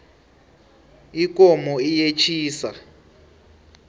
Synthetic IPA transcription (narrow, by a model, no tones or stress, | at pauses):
ik̬ʼɔmɔijet͡ʃʰiːsa̰